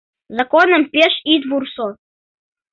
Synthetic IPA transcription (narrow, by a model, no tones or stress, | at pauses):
zakonəmpʲeʃid̪vurso